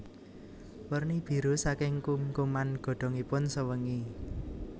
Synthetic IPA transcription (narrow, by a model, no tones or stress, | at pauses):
wərnib̥i̤ɾusakɪŋkumkumanɡ̥ɔ̤ɖ̥ɔ̤ŋipʊnsəwəŋi